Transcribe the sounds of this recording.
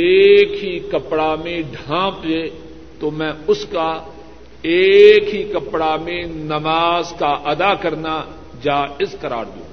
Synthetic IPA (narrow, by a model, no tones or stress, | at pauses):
eːkɦikɐpɽamẽɖʱãːpe | t̪omɛ̃ːʊska | eːkɦikɐpɽamẽnɐmaːzkaʔɐd̪aːkɐɾna | d͡ʒaːɪskɐɾa̰ːɾd̪iõ̰ː